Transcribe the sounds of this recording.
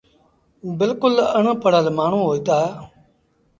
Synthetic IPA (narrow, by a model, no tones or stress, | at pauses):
bɪlkʊləɳəpəɽəlmaːɳ̤ũːɦoːit̪aːe